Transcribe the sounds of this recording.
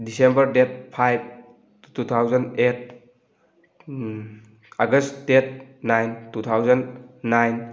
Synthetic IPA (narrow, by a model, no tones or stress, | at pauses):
disembəɾdet̚pʰajb̚ | tut̪ʰawzənet̚ʰ | aɡəset̚ʰnajntut̪ʰawzənːajn